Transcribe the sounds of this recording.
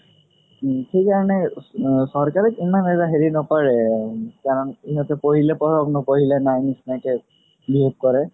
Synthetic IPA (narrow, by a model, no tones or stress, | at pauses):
xejkaɹɔnɛsɔɹkaɹɛkimanɛzaɦeɹinɔpaɹɛkaɹɔniɦɔtɛpoɦilɛpɔɹɔknɔpoɦilɛnajnisnajtɛ | biɦop̚kɔɹɛ